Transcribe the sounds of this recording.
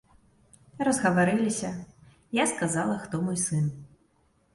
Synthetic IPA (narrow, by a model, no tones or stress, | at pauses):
rɐzɣɐvaɾɨlʲisʲɐ | jaskazalˠɐxt̪ɔmɔjsɨn